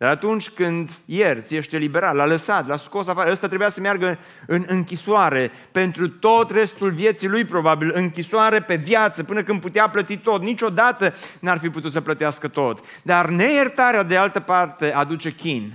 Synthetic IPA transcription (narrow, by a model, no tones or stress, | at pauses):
d̪aɾat̪unt͡ʃʲkɨnd̪jert̪sije̞ʃt̪elibe̞ɾat̪laləsat̪lasko̞safaɾəəst̪at̪ɾebujasəmearɡə | ɨnɨŋkʲiswaɾe̞ | pe̞nt̪ɾut̪o̞t̪re̞st̪ulvje̞t̪silujpɾo̞babilɨŋkʲiswaɾe̞pe̞vjat̪səpɨnəkɨnd̪̚put̪eaplət̪it̪o̞t̪nit͡ʃʲo̞d̪at̪ənarfiput̪ut̪səplət̪iaskət̪o̞t̪ | d̪arne̞jert̪aɾead̪e̞alt̪əpart̪e̞ad̪ut͡ʃe̞kʲin